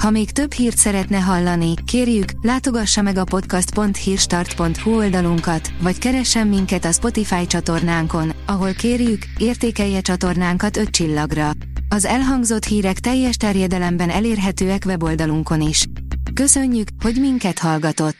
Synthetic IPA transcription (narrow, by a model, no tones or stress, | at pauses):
hɒmeːkt̪ø̞bhiːrt̪sɛɾɛt̪nɛɦɒlːɒnikeːrjyklaːt̪o̞ɡɒʃːɒmɛɡɒpo̞t̪kɒst̪po̞nt̪hiːrʃt̪ɒrt̪po̞nt̪huo̞ld̪ɒluŋkɒt̪ʋɒckɛɾɛʃːɛmːiŋkɛt̪ɒspo̞t̪ifaːjt͡ʃɒt̪o̞rnaːŋko̞nɒɦo̞lkeːrjykeːrt̪eːkɛjːɛt͡ʃɒt̪o̞rnaːŋkɒt̪ø̞t̪t͡ʃilːɒɡrɒ | ɒzɛlɦɒŋɡzo̞t̪hiːɾɛkt̪ɛjːɛʃt̪ɛrjɛd̪ɛlɛmbɛnɛleːrɦɛt̪øːɛkʋɛbo̞ld̪ɒluŋko̞niʃ | kø̞sø̞ɲːykho̞ɟmiŋkɛt̪hɒlɡɒt̪o̞t̪ː